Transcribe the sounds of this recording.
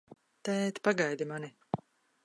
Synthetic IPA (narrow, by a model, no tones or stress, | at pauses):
t̪ɛt̪paɡajd̪imani